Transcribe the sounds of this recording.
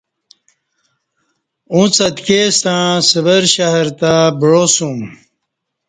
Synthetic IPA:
ũt͡sɐt̪kest̪ãːsəbɐɾɕaɦɾt̪abɻoːsũm

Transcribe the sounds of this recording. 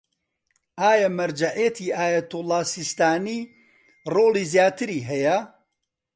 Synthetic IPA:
ʔaːjɐmɐɾd͡ʒaʕet̪ʰiːʔaːjɐt̪ulˠːɑːsist̪aːniː | roːliːzjaːt̪ɨɾiːɦɛjɐ

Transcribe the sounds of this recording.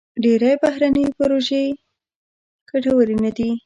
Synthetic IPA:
ɖeɾajbaɦɾanəjpaɾoʒe | kaʈawaɾinad̪i

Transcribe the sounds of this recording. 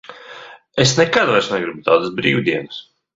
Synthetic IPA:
esnɛkad̪vaɾsnɛɡɾibut̪aːd̪asbɾḭːwd̪iɛnɨs

